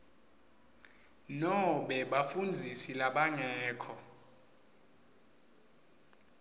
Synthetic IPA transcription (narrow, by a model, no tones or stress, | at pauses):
nɔɓɛɓafund͡zʱisilaɓaŋɛːkʰɔ